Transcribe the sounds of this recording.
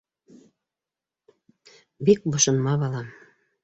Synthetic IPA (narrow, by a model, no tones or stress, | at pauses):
bik̚bŏʃɤ̆nmɑβɑlɑ